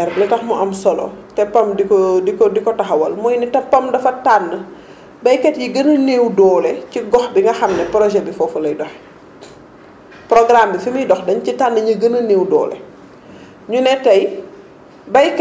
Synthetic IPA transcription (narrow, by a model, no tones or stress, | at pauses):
ɛɾlɛtɐxmɔʔɐmsɔlɔ̰tɛpɐmdikɔdikdikɔtɐxɐwɐlmɔjnitɐpːɐmdɐfɐtanːə | bɐjkɛtjiɡənənewdɔːlɛciɡɔxbiŋɡɐxɐmnɛpɾɔʒɛbifɔfulɐjdɔx | prɔɡɾambifimidɔxdɐɲcitanːəɲiɡənəneːwdɔ̰ːlɛ̰ | ɲunɛtɐj | bɐjk